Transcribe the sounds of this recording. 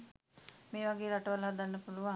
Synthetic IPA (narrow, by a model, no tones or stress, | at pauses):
meːʋaɡeːɾaʈəʋələɦad̪anːəpuluʋa